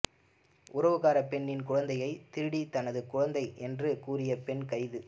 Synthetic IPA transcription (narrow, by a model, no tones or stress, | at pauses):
ʔʊɾɐʋɯɣaːɾɐpɛɳːɪnkʊɻɐnd̪ɐjɐɪt̪ɪɾɯɽit̪ɐnɐðɯkʊɻɐnd̪ɐɪʔɛndrɯkuːrɪjɐpɛɳkɐɪðɯ